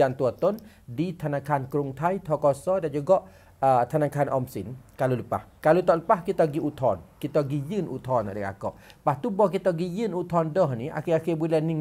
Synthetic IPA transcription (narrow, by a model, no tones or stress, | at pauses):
ant̪uat̪ɔn | dit̪ʰanãkankɾuŋt̪ʰajt̪ʰɔkɔsɔdand͡ʒuɡɔʔ | ət̪anakaanʔɔ̰msinkaluləpa̰hkalut̪ɔʔləpahkit̪ɔɡiʔut̪ʰɔ̰nkit̪ɔɡijənʔṵt̪ɔna̰dəka̰kɔ̰ʔpaht̪ubɔkit̪ɔɡijənut̪ɔndɔhnia̰kiakibulɛni